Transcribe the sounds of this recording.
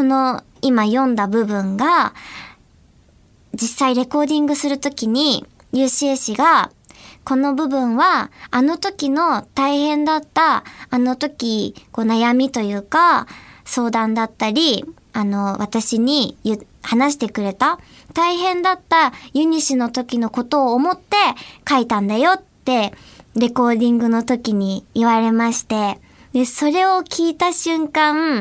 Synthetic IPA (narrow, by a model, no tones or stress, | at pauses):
so̞no̞ | imajõ̞nd̪abɯ̟bɯ̟̃ŋɡa | d͡ʑisaiɾe̞ko̞ːd̪ʲĩŋɡɯ̟sɨɾɯ̟t̪o̞kʲiɲ̟i | jɯːɕieɕiɡa | ko̞no̞bɯ̟bɯ̟̃ɰ̃βaːno̞t̪o̞kʲino̞t̪aihẽ̞nd̪at̪ːaːno̞t̪o̞kʲiko̞ːnajamʲit̪o̞jɯ̟ːkaso̞ːd̪ãnd̪at̪ːaɾʲi | ano̞βat̪aɕiɲ̟ijɯ | hanaɕ̬i̥t̪e̞kɯ̟ɾe̞t̪a | t̪aiɦẽ̞nd̪at̪ːajɯ̟ɲ̟iɕino̞t̪o̞kʲino̞ko̞t̪o̞ːmo̞t̪ːe̞kait̪ãnd̪ajo̞t̪ːe̞ɾe̞ko̞ːd̪ʲĩŋɡɯ̟no̞t̪o̞kʲiɲ̟iːβaɾe̞maɕi̥t̪e̞ | d̪e̞so̞ɾe̞o̞kʲiːt̪aɕɨ̃ŋkã